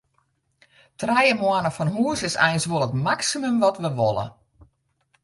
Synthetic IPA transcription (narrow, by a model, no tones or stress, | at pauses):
trɛjəmwanəfɔnɦuəsɪsɛjnsʋoəlˠətmaksimømʋɔtʋəʋolˠə̰